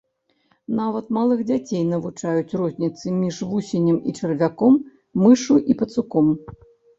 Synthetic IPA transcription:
navɐt̪malˠɨxd͡zʲat͡sʲejnɐvut͡ʂajut͡sʲrɔzʲnʲit̪sɨmʲiʐvusʲɪnʲɪmit͡ʂɨrvʲakɔmː | ɨʂuʔipɐt̪sukɔm

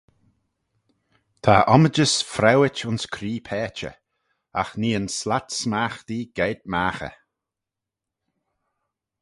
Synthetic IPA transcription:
t̪ʰaʔɔməd͡ʒəsfɾɛwɪt͡ʃʊnskʰɾiːpʰɛːt͡ʃə̰ | a̰xniːənslat̪smaːxd̪̥iːɡ̥eːd̪̚maːxə̰

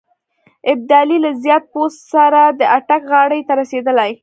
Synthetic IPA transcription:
ɪb̚d̪ɑlilazjɑt̪̚post̪saɾad̪əʔaʈakɣɑɽəjt̪aɾased̪əlaj

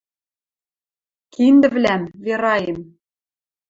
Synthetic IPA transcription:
kind̪ɘ̆βlæmveɾɑjĕm

